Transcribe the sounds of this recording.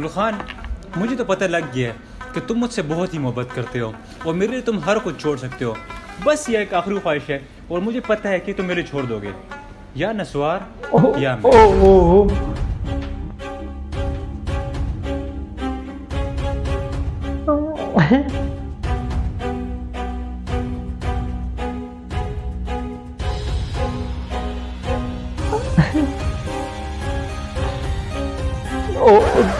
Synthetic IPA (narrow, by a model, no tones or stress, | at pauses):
lxaːnmʊd͡ʒʱet̪opɐt̪alɐɡːeaɦɛ | ket̪ʊmːʊd͡ʒʱsebɔɦʊt̪ɦimʊɦəbːət̪kɐɾt̪eɦoː | ɔːɾmeːɾeliet̪ʊmɦɐɾkʊd͡ʒt͡ʃʰoːɽsɐkt̪eɦoː | bɐsjaeːkaːxɾixwaːɦɪʃɦɛː | ɔːɾmʊd͡ʒʱepɐt̪aɦɛket̪ʊ̃mːeːɾit͡ʃʰoːɽd̪oːɡḛː | jaːnɐswaːɾojaːo | o